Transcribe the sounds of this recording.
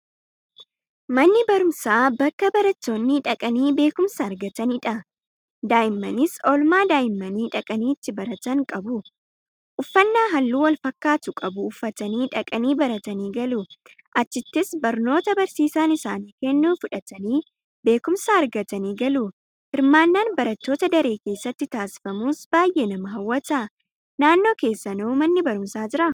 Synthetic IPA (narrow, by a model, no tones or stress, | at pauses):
mɐnːɪbɐɾʊmsaːbɐkːɐbɐɾɐt̪ːo̞ːnːiᶑɐkʼɐniːbe̞ːkʊmsaːɾɡɐt̪ɐniːᶑɐ | d̪aːjɪmːɐnɪsɔlmaːd̪aːjɪmːɐniːᶑɐkʼɐniːɪt̪ːɪbɐɾɐt̪ɐŋkʼɐbʊ | ʔʊfːɐnːaːɦɐlːuːwɐlfɐkːaːt̪ʊkʼɐbʊːfːɐt̪ɐniːᶑɐkʼɐniːbɐɾɐt̪ɐniːɡɐluː | ʔɐt͡ʃːɪt̪ːɪsbɐɾno̞ːt̪ɐbɐɾsiːsaːnɪsaːniːkɛnːuːfʊᶑɐt̪ɐniː | be̞ːkʊmsaːɐɾɡɐt̪ɐniːɡɐlu | hɪɾmaːnːaːnbɐɾɐt̪ːo̞ːt̪ɐd̪ɐɾe̞ːke̞ːsːɐt̪ːɪt̪aːsɪ̥fɐmuːsbaːjʔeːnɐmɐɦɐwːɐt̪ɐ | naːnːo̞ːke̞ːsːɐnɐumɐnːɪbɐɾʊmsaːd͡ʒɪɾɐ